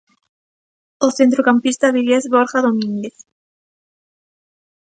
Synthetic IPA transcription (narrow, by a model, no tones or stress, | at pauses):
oθent̪ɾokampist̪aβiʎezβoɾxaðomĩnd̪eθ